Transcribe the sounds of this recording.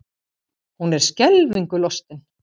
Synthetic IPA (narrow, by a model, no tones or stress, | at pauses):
hunɛɾ̥scɛlviŋkʏlɔst̪ɪn